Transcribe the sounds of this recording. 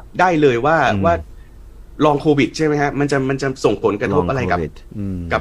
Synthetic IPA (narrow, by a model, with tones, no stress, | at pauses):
daː˥˩jlɤː˧jwaː˥˩waː˥˩ | ɾɔː˧ŋkʰoː˧wi˨˩t̪̚t͡ɕʰa˥˩jma˦˥jkʰa˦˥ma˧nt͡ɕa˨˩ma˧nt͡ɕa˨˩so˨˩ŋpʰo˩˦nkɾa˧t̪ʰo˦˥p̚ʔa˧ɾa˧jka˨˩ | ka˨˩p̚